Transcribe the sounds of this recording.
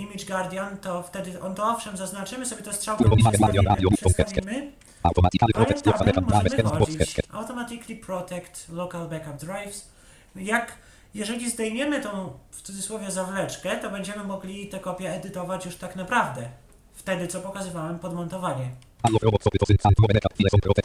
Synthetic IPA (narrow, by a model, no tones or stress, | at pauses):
imʲid͡ʐɡaɾd̪ʲjant̪ɔft̪ɛd̪ɘʔɔnt̪ɔɔfʂɛmzaznat͡ʂɘmɘsɔbʲjɛt̪ɛstʂawɔiad̪jɔajɔɔkɛskɛmɘ | a̰wt̪ɔmakɾɔɛɔaaɛamaɛɔɔiɛkɛa̰wt̪ɔmat̪ɘkʲipɾɔt̪ɛkt̪lɔkalbakap̚d̪ɾajfs | jak | jɛʐɛlʲizd̪ɛjɲɛmɘt̪ɔ̃w̃ft̪sud̪zɨswɔvʲjɛzavlɛt͡ʂkɛt̪ɔbɛɲd͡ʑɛmɘmɔɡlʲit̪ɛkɔpʲjɛːd̪ɘt̪ɔvat͡ɕjuʂt̪aknapɾavd̪ɛ | ft̪ɛd̪ɘt̪sɔpɔkazɘvawɛmpɔd̪mɔnt̪ɔvaɲɛ | aɔɾɔbɔsɔpɔɪat̪ɔmɔvɛɛkailɛsɔpɾɔt̪ɛk